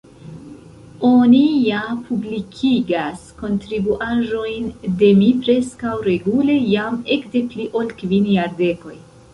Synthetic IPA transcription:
o̞nijapʰublikʰiɡasko̞ntɾibuʔaʒo̞jnde̞mipɾe̞skawɾe̞ɡule̞jame̞kde̞pliʔo̞lkvinjaɾde̞ko̞j

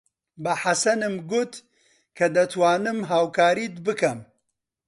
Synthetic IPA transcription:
bɐħasɐnɨmɡʊt̪ | kʰɐd̪ɐt̪waːnɨmɦaːwkʰaːɾiːd̪bɨkɐm

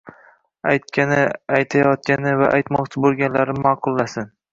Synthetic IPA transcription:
ajt̪̚kʲanɪajt̪ʰajɒt̪̚kʲanɪva̰ʔajt̪mɒqt͡ʃʰɪbolˠɡʲanlaɾɪmaːqʰʊlˠːasɪn

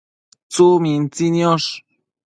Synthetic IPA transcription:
t͡sumint͡sinjoʂ

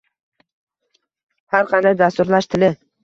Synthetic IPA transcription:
haɾqʰɑnd̪ajd̪ast̪ʊɾlaʃt̪ʰɪlɪ

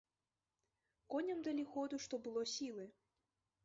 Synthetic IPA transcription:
kɔnʲɐmd̪ɐlʲixɔd̪uʂt̪ɔbɨlˠɔsʲilˠɨ

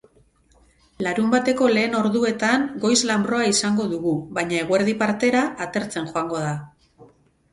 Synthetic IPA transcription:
laɾumbat̪e̞ko̞le̞ːno̞ɾðue̞t̪aŋɡo̞jzlambɾo̞aisaŋɡo̞ðuɣuβajɲae̞ɣ̞ueɾð̞ipaɾt̪e̞ɾaʔːt̪e̞ɾt͡se̞nxoaŋɡo̞ða

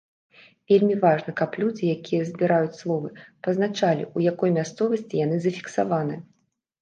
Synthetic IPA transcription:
vʲelʲmʲivaʐnɐkɐplʲud͡zʲijakʲijɐzʲbʲiɾajut͡sʲslˠɔvɨpɐzn̪at͡ʂalʲḭʔujakɔjmʲast̪sɔvɐsʲt͡sʲijan̪ɨzɐfʲi̥ksavanɨ

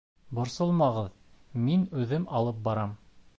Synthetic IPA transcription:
bŏɾsɤlˠmɑʁɤðminʉðɘmɑlˠɤp̚bɑɾɑm

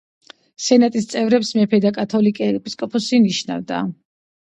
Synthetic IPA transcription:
sɛnat̪ʼist̪sʼɛvɾɛpsmɛpʰɛd̪akʼat̪ʰɔlikʼɛɛpʼiskʼɔpʰɔsiniʃna̰vd̪a̰

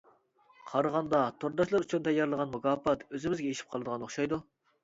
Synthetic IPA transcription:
qʰɑɾəʁɑnd̪ɑt̪ʰoɾd̪ɑʃlˠɑɾyt͡ʃʰynt̪ʰɛjːɑɾlˠəʁɑnmukɑːpɑt̪øzɪmɪzɡʲɛeʃi̥p̚qʰɑlˠɨd̪əʁɑnoχʃɑjd̪u

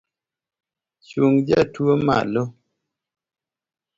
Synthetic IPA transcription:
t͡ʃuŋd͡ʒatwoma̰lo

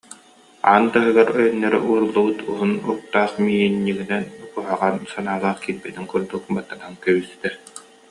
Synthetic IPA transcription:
aːnt̪aɦɯɡaɾœjœnːɛɾɛ̰ʔuːɾulˠːubut̪uɦunuk̚t̪aːsmijinːiɡinɛnkuɦaʁansanaːlˠaːχkilbɛt̪iŋkuɾd̪uk̚bat̪ːanaaŋkɛbisi̥t̪ɛ

